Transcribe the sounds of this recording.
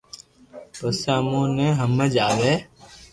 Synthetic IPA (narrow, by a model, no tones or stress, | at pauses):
pəsaːmõːnẽːɦəmːəd͡ʒaːʋeː